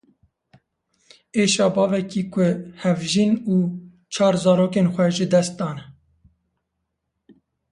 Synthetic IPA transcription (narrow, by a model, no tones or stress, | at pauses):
eːʃɑːbɑːvɛkiːkʷʊhɛvʒinuː | t͡ʃʰɑːɾzɑːɾoːkeːnxʷɛʒɨd̪ɛst̪̚d̪ɑːnɛ